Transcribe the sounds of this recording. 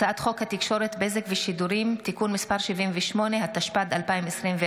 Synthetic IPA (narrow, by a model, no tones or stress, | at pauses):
aat̪χo̞khat̪ikʃo̞ɾet̪be̞zekveʃid̪uɾimt̪ikunmispaʁʃivimvɛʃmo̞ne̞hat̪aʃpad̪alpaimesʁimve